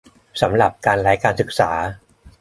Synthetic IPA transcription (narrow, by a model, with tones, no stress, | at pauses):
sa˩˦mɾa˨˩p̚kaː˧nla˦˥jkaː˧nsɯ˨˩k̚saː˩˦